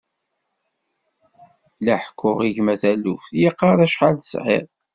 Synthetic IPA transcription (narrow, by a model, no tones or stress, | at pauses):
læħkʷːʊʁiʝmæθælufθjiqːɑɾˤæʃħaləsʁɪ̰ʁ